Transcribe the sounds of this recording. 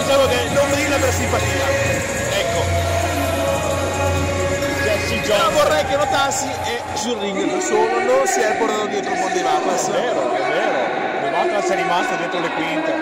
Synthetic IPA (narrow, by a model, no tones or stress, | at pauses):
d̪it͡ʃaːmokenommid̪ilːapeɾsimpat̪iːa | ɛkːo | ɛsid͡ʒavorːɛjkenot̪asːi | ɛ | surːiŋɡokesoːnononsiɛɾpoɾt̪aːt̪od̪jɛːt̪ɾomond̪ilapːasieːɾo̰ɛveːɾo | lemak̪ːasɛɾimast̪od̪jɛːt̪ɾolekwint̪a